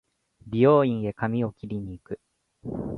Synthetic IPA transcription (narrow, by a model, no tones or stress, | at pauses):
bʲijo̞ːĩɰ̃e̞kamʲio̞kʲiɾʲiɲ̟iːkɯ̟